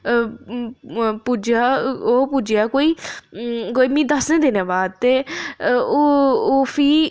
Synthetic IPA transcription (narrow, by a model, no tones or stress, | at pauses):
pud͡ʒaːoːpud͡ʒejaːkoːiː | koːiːmĩːd̪əsnẽːd̪ɪnãːbaːd̪̚t̪eː | ooːpʰiː